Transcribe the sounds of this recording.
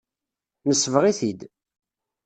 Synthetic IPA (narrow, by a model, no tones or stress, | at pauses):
nəsːvʁiθid̪